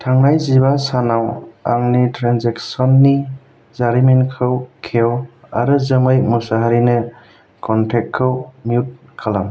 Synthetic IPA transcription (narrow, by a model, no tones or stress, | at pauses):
tʰaŋnajzibasanawa̰ŋnitɾanzeksɔnːi | zaɾimenkʰɯwkʰew | aɾɯzɯmɯjmusaɦaɾinɯ | kʰɔntʰek̚kʰːɯwmiut̚ | kʰalam